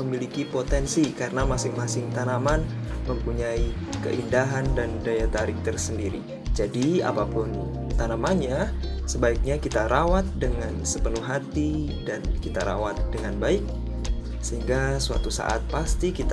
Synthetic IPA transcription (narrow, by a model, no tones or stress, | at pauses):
əmilikipot̪ɛnsikaɾənamasɪŋmasɪŋt̪anaman | məmpuɲai | kə̰ʔindaɦandandajat̪aɾɪk̚t̪ərsəndiɾḭ | d͡ʒadia̰papʊn | t̪anamaɲasəbaik̚ɲakit̪aɾawat̪̚dəŋansəpənuhɦat̪i | dankit̪aɾa̰wat̪̚dəŋanbaɪk̚ | səɦiŋɡasua̰t̪usa̰ʔa̰t̪̚past̪ikit̪